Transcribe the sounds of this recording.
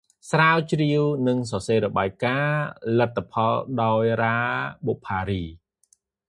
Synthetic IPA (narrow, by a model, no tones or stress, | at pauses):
sraːwt͡ɕriəwnɨŋs̬ɑseːɾɔɓaːjkaːlɨt̪ʰːapʰɑlɗaɔjraːɓoʔpʰːaːɾiː